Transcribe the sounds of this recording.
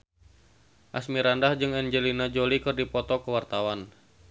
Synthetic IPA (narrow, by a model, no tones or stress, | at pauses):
ʔasmiɾandahd͡ʒɨŋɛnd͡ʒəlinad͡ʒolikɨrdipɔt̪ɔkəwart̪awan